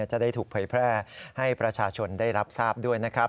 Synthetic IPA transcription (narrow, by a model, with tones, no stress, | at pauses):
t͡ɕa˨˩da˥˩jt̪ʰuː˨˩k̚pʰɤː˧˩jpʰɾɛː˥˩ha˥˩jpɾa˧t͡ɕʰaː˧t͡ɕʰo˧nda˥˩jɾa˦˥p̚saː˥˩p̚du˥˩əjna˦˥kʰɾa˦˥